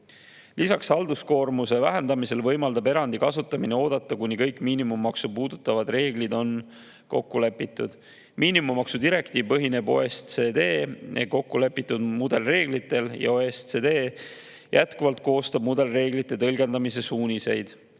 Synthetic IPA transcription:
lʔisɑksɑld̪usko̞ːrmuse̞væɦend̪ɑmise̞lvɤjmɑld̪̥ɑbe̞ɾɑnd̪ikɑsut̪ːˑɑmineo̞ːd̪̥ɑt̪ːˑɑkunʲikɤjkˑmiːnimumːɑksupuːd̪̥ut̪ːˑɑvɑd̪re̞ːɡ̥lid̪o̞n | ko̞̰kːule̞pːˑit̪ːˑud̪̥ | mʔiːnimummɑksud̪iɾe̞kt̪iːvpɤɦine̞bo̞̰est̪seːd̪e̞ːḛko̞kːule̞pːˑit̪ːˑud̪mud̪̥e̞lre̞ːɡlit̪ːˑe̞ljɑ̰oest̪sed̪e̞ː | jæt̪kuvɑlt̪̚ko̞ːst̪ɑb̥̚mud̪̥e̞lre̞ːɡlit̪ːˑe̞t̪ɤlɡe̞nd̪̥ɑmise̞suːnʲise̞jd̪̥

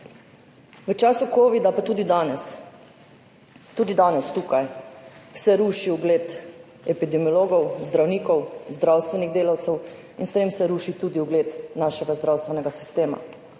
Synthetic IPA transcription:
ʋət͡ʃaːsukoːʋid̪apat̪uːd̪id̪anɛs | t̪uːd̪id̪aːnɛst̪uːkajwsɛɾuːʃiuɡleːt̪ | ɛpid̪ɛmiɔloːɡɔwzd̪ɾawniːkɔwzd̪ɾawst̪ʋɛniɣd̪eːlawt̪sɛw | inst̪eːmsɛɾuːʃit̪ud̪iuɡleːt̪naʃɛɡazd̪ɾaːwst̪ʋɛnɛɡasi̥st̪eːma̰

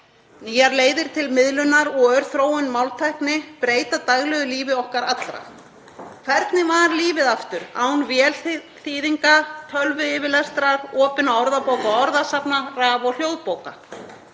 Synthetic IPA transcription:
niːjaɾleːjðɪɾ̥t̪ʰɪlmɪðlʏnːaɾɔɣœɾ̥θɾoːwʏnmawlt̪ʰajhknɪpɾeːjt̪at̪aɣlɛɣʏliːvɪɔhkaɾat̪lɾa̰ | kʰv̥ɛɾt̪nɪmaɾliːvɪðaft̪ʏɾaːwnvjɛl | θiːðiŋkat̪ʰœlvʏɪːvɪlɛst̪ɾaɾɔːpɪnaɔɾðapoːwkaɔɔɾðasapnaraːvɔɣl̥joːwðpoːwka

